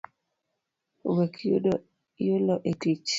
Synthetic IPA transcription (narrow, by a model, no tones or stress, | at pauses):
wɛkʰo | jolɔʔetit͡ʃ